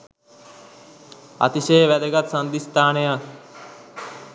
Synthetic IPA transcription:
a̰t̪isejʋæd̪eɡat̪sand̪ist̪aːneja

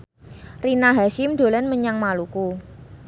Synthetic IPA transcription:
rinaɦaʃɪmd̪̥o̤lɛnməɲaŋmaluku

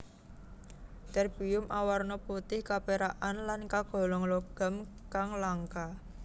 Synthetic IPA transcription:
t̪ɛrb̥iʊmʔawarnɔput̪ɪhkapeɾaʔanlankaɡ̥ɔ̤lɔŋlɔɡ̥a̤mkaŋlaŋka

